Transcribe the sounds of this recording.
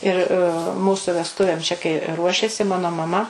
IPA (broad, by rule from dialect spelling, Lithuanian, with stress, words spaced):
ɪr ˈmuːsʊ ʋʲɛsˈtʊʋʲeːm t͡ʃʲɛ kɐɪ ˈruɔʃʲeːsʲɪ ˈmɑːnoː mɐˈmɐ